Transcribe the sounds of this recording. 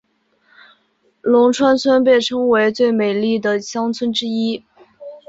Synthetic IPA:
lʊ˧˥ŋʈ͡ʂʰwa˥nt͡sʰwə˥np̬jɛ˥˩nʈ͡ʂʰɤ˥ŋwe˧˥ɪt͡swe˥˩ɪme˨˩ɪli˥˩d̪ə˩ɕjɑ˥ŋt͡sʰwə˥nʈ͡ʂɻ̩˥i˥

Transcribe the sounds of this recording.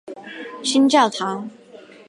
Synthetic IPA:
ɕʰi˥nt͡ɕa˥˨˩t̪ʰa˨˧˥

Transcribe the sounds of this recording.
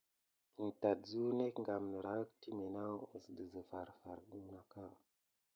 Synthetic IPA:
ə˨n˨ta˨dzu˦ne˦kŋɡa˨mnə˨ɾa˨˦k̚ti˦me˨na˦u˨sdə˨zə˨fa˨ɾfa˨ɾɗu˦na˨ka˦˨

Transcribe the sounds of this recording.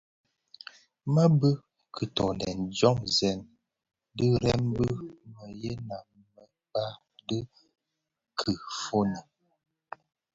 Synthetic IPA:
ma˦bə˦ | kʰə˨tɔ˨ndɛ̰˨nd͡ʒɔ˦mzɛ˨n | də˦ɾɛ˦mbə˦mə˨je˦na˨m | mə˨ | ba˦ | də˦ | kʰə˨fo˦nə˨

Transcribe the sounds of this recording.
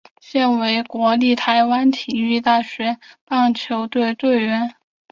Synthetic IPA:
ɕjɛ˥˩nwe˧˥ɪkwɔ˧˥li˥˩t̪ʰa˧˥ɪwa˥nt̪ʰi˨˩y˥˧t̪a˥˩ɕɥɛ˧˥pɑ˥˩ŋt͡ɕʰjo˧˥ʊt̪we˥˧ɪt̪we˥˩ɪɥɛ˧˥n

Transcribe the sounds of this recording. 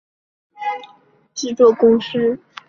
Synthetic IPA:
ʈ͡ʂɻ̩˥˧t͡swɔ˥˩kʊ˥ŋʂ̩˥

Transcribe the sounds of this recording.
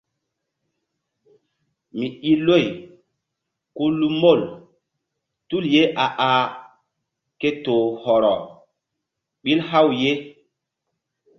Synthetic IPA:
mi˨i˦lo˦˨j | ku˦lu˦mo˦˨l | tu˦lje˦ʔa˨ʔa˨ | ke˦to˨hɔ˨ɾɔ˨ | ɓi˦lha˦wje˦

